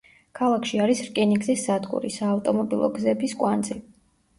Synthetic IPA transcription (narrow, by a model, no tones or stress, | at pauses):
kʰalˠakʰʃiaɾisɾkʼɛniɡzisːad̪ɡʼṵɾḭsaːft̪ʼɔmɔbilˠɔ̰ɡzɛbiskʼwand̪zi